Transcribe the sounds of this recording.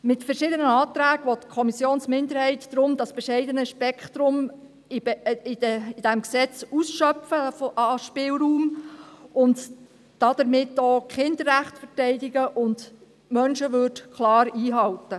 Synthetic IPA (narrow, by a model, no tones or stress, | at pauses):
mɪtfəɾʃɪdənəɑːt̪ɾæːɡʋɔt̪kʰɔmisjoːnsmɪnd̪əɾhɛɪtːɾʊmdɑsb̥ɛʃɛɪdənəʃpɛkχt̪ɾʊm | ɪɪd̥ɛmksɛt͡susʃœfəfɑʃpɪlɾuːm | ʊnd | d̥ɑd̥əɾmɪtːoːkχɪndəɾːæχtfəɾtɛɪdɪɡəʔʊnd | mœnʃəʋʏːdkχlɑːɾiːɦɑltə